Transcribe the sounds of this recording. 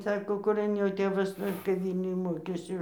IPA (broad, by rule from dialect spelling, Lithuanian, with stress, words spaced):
ˈsɑːkoː kʊˈrɐn joː ˈtʲeːʋɐs ˈnʊ ɪr kɐp ˈʋʲiːlʲnʲʊj ˈmoːkʲeːsʲɪ